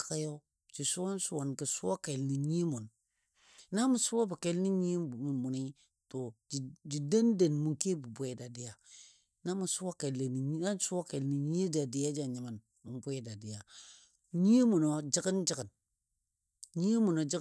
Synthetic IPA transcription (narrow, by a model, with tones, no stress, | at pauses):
ka˦ka˦jo˦ | t͡ʃi˨su˦wo˦n˦su˦a˨nki˨su˦a˦ke˨lni˨ɲi˦mu˨n | na˦mu˨su˦a˦bi˨ke˨lni˦ɲi˦˨mu˨mu˨ni˦ | to˨d͡ʒi˨d͡ʒi˨da˦nde˨nmu˨ki˦bu˨bʷe˨da˨di˦ja˨ | na˦mu˨su˦wa˦ke˨lːe˨ni˨ɲ˦na˦n˦su˦wa˦ke˨lni˨ɲi˦da˨di˨ja˦d͡ʒa˨ɲi˨ma˨n | mu˨nbwe˦da˨di˨ja˨ | ɲi˦mu˨no˨d͡ʒi˦ki˦nd͡ʒi˦ɡə˨n | ɲi˦mu˨no˨d͡ʒi˦